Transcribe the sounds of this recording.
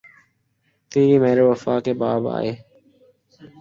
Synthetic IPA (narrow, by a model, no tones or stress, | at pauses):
t̪iːɾiːmeːɾoːʋəfaːkeːbaːba̰ːeː